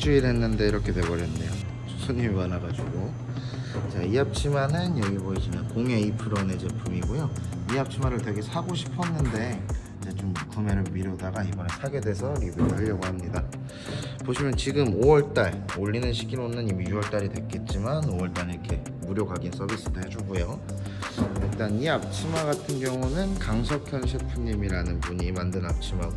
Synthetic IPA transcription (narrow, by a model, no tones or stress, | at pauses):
t͡ɕʰɯiɾe̞nːɯnde̞iɾʌkʰe̞twe̞bʌɾjenːe̞jo | t͡ɕosʰoɲimimanaɡad͡ʑuɡo | t͡ɕaiap̚t͡ɕʰimanɯnjʌɡibʌid͡ʑinakoŋe̞ipʰɯɾʌned͡ʑepʰɯmiɡojoiap̚t͡ɕʰimaɾɯɭtwe̞ɡesʰaɡoɕʰi̥pʰʌnːɯnde̞id͡ʑe̞t͡ɕomkɯme̞ɾɯɭmiɾodaɡaibʌne̞sʰaɡe̞dwe̞sʰʌɾibuoɦaʎːʌɡoɦamɲida | poɕʰimjʌnt͡ɕiɡɯmowʌɭt͈aɭoʎːinɯnɕʰi̥ɡinonːɯnimjuwʌɭt͈aɾidwe̞k͈e̞t̚t͡ɕ͈imanowʌɭt͈aɭiɾkʰe̞ | muɾjoɡaɡins͈ʰʌbis͈ɯded͡ʑoɡujo | it͈aniap̚t͡ɕʰimaɡatʰɯnɡjʌŋunɯnkaŋsʰʌkʰjʌnɕʰipʰumɲimiɾanɯnpuɲimandɯnap̚t͡ɕʰima